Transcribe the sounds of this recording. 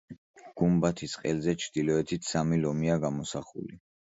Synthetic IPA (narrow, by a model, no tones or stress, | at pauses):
ɡ̥umbat̪ʰisqʼɛlzɛt͡ʃʰd̪̥ilɔɛt̪ʰit̪ʰsamilɔmiaɡamɔsaχṵli